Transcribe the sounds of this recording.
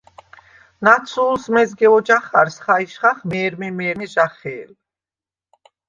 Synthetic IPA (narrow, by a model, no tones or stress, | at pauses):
nat̪sʰuːlsmɛzɡɛɔd͡ʒaχaɾsχaiʃχaχmɛːɾmɛmɛːɾniʒaχɛːl